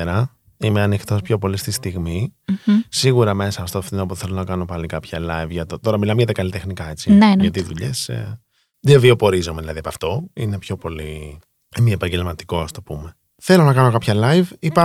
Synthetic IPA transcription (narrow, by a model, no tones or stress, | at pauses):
ɾɐ | ime̞ɐnixt̪o̞spço̞po̞list̪ist̪iɣmi | siɣuɾɐme̞sɐft̪ofθinopoθe̞lonɐkɐno̞pɐlikɐpçɐlɐjvʝɐt̪ot̪o̞ɾɐmilɐmeʝɐt̪ɐkɐlit̪e̞xnikɐe̞t͡sinʝɐt̪iðuʎe̞s | ðevio̞po̞ɾizo̞me̞ðilɐðiɐpɐft̪o̞ine̞pço̞po̞li | miepɐɲɟe̞lmɐt̪i̥ko̞st̪o̞pume̞ | θe̞lo̞nɐkɐno̞kɐpçɐlɐjvipɐ